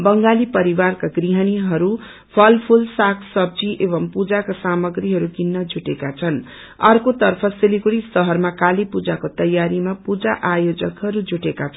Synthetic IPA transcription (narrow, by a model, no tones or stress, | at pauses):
bʌŋɡalipʌɾibarkaɡriɦʌniɦʌɾu | pʰʌlpʰulsakʰsʌb̚d͡ziʔeβʌmpud͡zakasamʌɡriɦʌɾuɡinːʌd͡zuʈekat͡sʰʌn | ʌrkot̪ʌrpʰʌsilikuɽisʌɦʌrmakalipud͡zakot̪ʌjaɾimapud͡zaʔajod͡zʌkɦʌɾud͡zʱuʈekat͡sʰʌn